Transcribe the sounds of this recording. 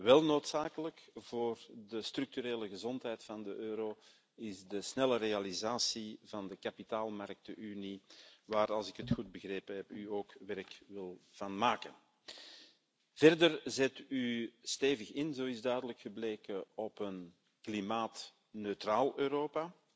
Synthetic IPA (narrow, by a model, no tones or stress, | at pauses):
ʋɛlˠnoːtsaːkələkv̥oːrdəstrʏk̚tyɾeːləɣəzɔntɦɛjtfɑndəʔøːɾoː | ɪzdəsnɛləreːalizaːsivɑndəkapitaːlˠmark̚təʔyniʋaːɾɑlˠzɪkɦətxud̚bəɣreːpənɦɛpyoːkʋɛɾkʋɪlˠv̥ɑnmaːkən | v̥ɛrdərzɛtysteːvəxɪnzoːɪzdœɥdələkxəbleːkəɔpən | klimaːt | nøtraːlˠøːɾoːpa